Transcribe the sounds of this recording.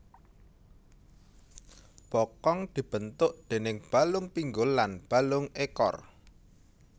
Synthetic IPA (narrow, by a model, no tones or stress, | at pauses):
b̥ɔkɔŋd̪̥i̤b̥ənt̪ʊʔd̪̥e̤nɪŋb̥a̤lʊŋpiŋɡʊlːanb̥a̤lʊŋekɔ̰r